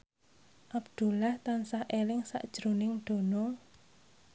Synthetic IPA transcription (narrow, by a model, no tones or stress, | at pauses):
ʔab̚d̪̥ṳlaht̪ansahʔelɪŋsa̰ʔd̥ʒ̥ɾo̤nɪŋɖ̪̥o̤nɔ